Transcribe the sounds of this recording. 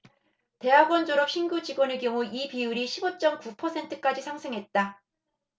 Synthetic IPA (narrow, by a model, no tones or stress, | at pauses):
te̞ɦaɡwʌnd͡ʑoɾʌp̚ɕ͈ʰinɡud͡ʑiɡwʌnek̬jʌŋuipiuɾiɕʰibʌt͡ɕ͈ʌmkupʰʌsʰe̞ntʰɯ̥k͈ad͡ʑisʰaŋsʰɯŋɦe̞t̚t͈a